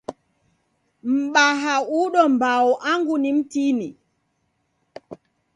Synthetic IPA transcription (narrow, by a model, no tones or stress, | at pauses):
m̩ɓaɦauɗɔmbawuʔaŋɡunim̩tiːnḭ